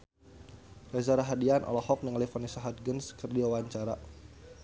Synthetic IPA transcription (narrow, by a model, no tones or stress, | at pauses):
rɛzaɾaɦadianʔɔ̰lɔhɔk̚nəŋlifɔnisaɦat̪̚ɡənskərdiwawaɲt͡ʃaɾa